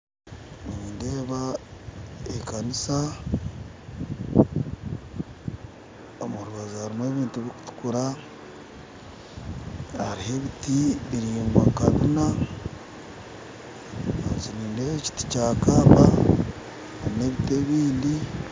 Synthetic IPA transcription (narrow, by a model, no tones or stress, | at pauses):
niːndeːβa | ekanisa | omuɾuβazahaɾimwe̞ːβiːntuβiku̥tu̥kuɾa | haɾihe̞βitiβiɾiːŋɡwa̰kaβina | ant͡ʃiniːndeːeci̥ti̥caːkaβa | haɾine̞βite̞ːβiːndi